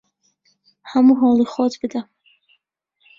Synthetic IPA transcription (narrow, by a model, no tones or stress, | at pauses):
hamuɦɔlˠiχɔt̪ʰbɨd̪a